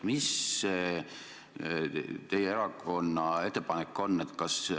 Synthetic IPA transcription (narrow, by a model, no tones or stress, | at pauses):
mise | t̪e̞jeeɾɑko̞nːɑe̞t̪ːˑepɑnekːˑo̞nːe̞t̪ˑkɑs